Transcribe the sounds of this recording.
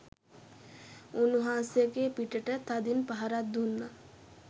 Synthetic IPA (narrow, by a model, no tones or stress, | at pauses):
unuɦaːsjəɡeːpiʈəʈət̪ad̪inpaɦaɾat̪̚d̪unːa